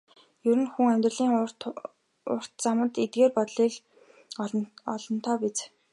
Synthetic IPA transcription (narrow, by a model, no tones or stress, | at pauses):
jɵɾɘ̆nxuŋæmʲt̪rə̆ɮiːŋt | ʊ̰r̥t̪t͡samə̆t̪et̪̚ɡeːrpɔt̪ɮiːk | ɔɮɞ̆n̥t̪ʰɔːpit͡s